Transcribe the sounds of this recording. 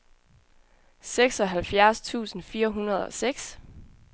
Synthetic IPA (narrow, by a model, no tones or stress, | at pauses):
seɡ̥sɒ̽ɦælfjæɐst͡sʰṵːsn̩fiːɐɦunɐð̞̩ˠɒ̽seɡ̥s